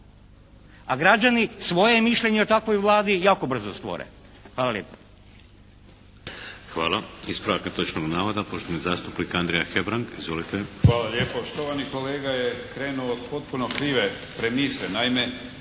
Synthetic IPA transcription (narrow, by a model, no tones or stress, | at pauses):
aɡɾad͡ʒanisʋo̞je̞miʃʎʲe̞ɲeot̪akʋo̞jʋlˠaːd̪ijaːko̞br̩zost̪ʋo̰ɾḛxʋaːlaljeːpo̥ | xʋaːlˠaispɾoʋakat̪ot͡ʃnoɡnaːʋad̪apoʃt̪onizaːst̪upnikand̪ɾejaxebɾaŋɡizʋolit̪exʋaːlˠaʎeːpoʃt̪oʋanikoleːɡajekɾeːnuood̪po̞t̪̚punokɾiːʋe | pɾemisenaime